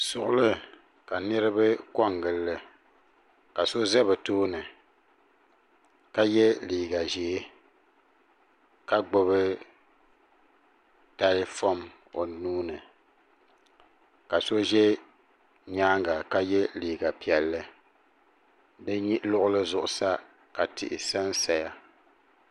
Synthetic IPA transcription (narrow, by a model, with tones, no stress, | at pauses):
sʊ˨ʔʊ˦lɨ˦ | ka˨nɨ˦ɾɨ˦bɨ˦kɔ˦ŋɡɨ˨lːɨ˦ | ka˨so˦zɛ˦bɨ˨toː˦nɨ˨ | ka˦jɛ˦liː˨ɡa˨ʒeː˨˦ | ka˦ɡ͡bo˦βɨ˦ | ta˦ɾɪ˦fɔ˦m | o˨nuː˦nɨ˨ | ka˨so˦ʒɛ˦ | ɲaː˦ŋɡa˨ka˦jɛ˦liː˨ɡa˨pi˨ɛ˨lːɨ˦ | dɨ˦ɲi˦ʔlʊ˦ʔʊ˦lɨ˦zʊ˦ʔʊ˨sa˦ | ka˨tʰɪ̰˨ʔɪ̰˨sa˦nsa˨ja˦